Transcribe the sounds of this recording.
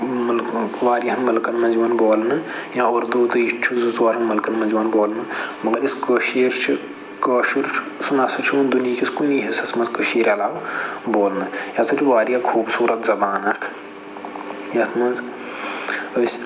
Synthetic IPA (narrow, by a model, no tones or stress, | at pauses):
mɐlʋaːɾijɦɐnmɐlkɐnmɐ̃nziʋɐnboːlnɨjãoːɾd̪oːt̪ɨit͡ʃʰuzuzoːɾɐnmɐlkɐnmɐ̃nziʋɐnboːlnɨmɐɡɐɾiskəʃeːɾt͡ʃʰi | kəːʃiɾt͡ʃʰ | sunɐsɐt͡ʃʰimɐnd̪unijikʰʲiskuniɦisɐsmɐnzkəʃeːɾɐlaːʋboːlnɐjɐsɐt͡ʃʰiʋaːɾijakʰuːbsuːɾɐt̪zɐbaːnɐkʰ | jɐt̪ʰmɐnz | əsʲ